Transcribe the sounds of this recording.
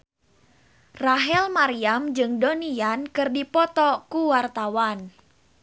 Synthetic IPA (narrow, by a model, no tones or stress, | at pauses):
raɦɛlmaɾiamd͡ʒɨŋdoniankɨrdipɔt̪ɔkuwart̪awan